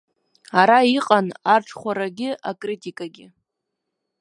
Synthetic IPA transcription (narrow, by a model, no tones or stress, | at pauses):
aɾaiqʼanarʈ͡ʂʰχʷaɾaɡʲɪʔakʼritʼikʼaɡʲɪ